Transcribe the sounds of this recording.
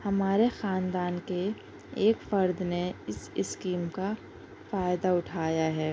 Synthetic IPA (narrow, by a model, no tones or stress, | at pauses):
hɐmaːɾexaːnd̪aːnke | eːkfɐɾd̪neɪsɪskiːmka | faːjɪd̪aʊʈʰaːjaɦɛː